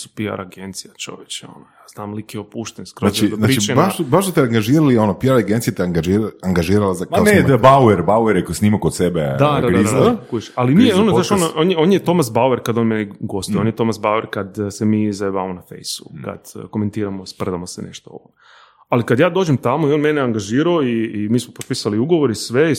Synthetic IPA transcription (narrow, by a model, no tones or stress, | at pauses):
su̥pia̰ɾaɡent̪sijat͡ʃo̞̰ʋjet͡ʃeo̰nojaːz̥naːmlikiopuːʃt̪enskɾoazt͡ʃionaɾt͡ʃːit͡ʃenbaʃbaʃt̪ot̪ɛaŋɡaʒiːɾalionopiaɾaɡent̪sijet̪eaŋɡaʒiɾaŋɡaʒiːɾalazakaneabaweɾbaueɾjeksnimakod̪sebed̪ad̪aɾaid̪aaaakuʃalinijeonzaʃonoʔoːnjeoːnjet̪o̞mas̬baueɾkad̪o̞nmenɛɡo̞st̪ojonjet̪o̞masbaweɾkad̪semiːzabaamonafḛjsu̥ka̰d̪̥ko̞me̞nt̪iːɾamospr̩d̪amosenḛʃt̪oo̰ʋo | alikad̪jaːd̪o̞ːd͡ʒemt̪amoio̞nmeneaŋɡaʒiːɾaoiːmiːsmopot̪pisaliuɡoʋoɾisʋe